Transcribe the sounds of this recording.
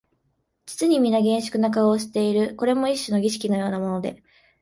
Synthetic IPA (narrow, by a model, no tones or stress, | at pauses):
d͡ʑi̥t͡sɨɲ̟imʲinːaɡẽ̞ɰ̃ɕi̥kɯ̟nak̬aoːɕi̥t̪e̞iɾɯ̟ko̞ɾe̞mo̞iɕːono̞ɡʲiɕi̥kʲino̞jo̞ːnamo̞no̞d̪e̞̰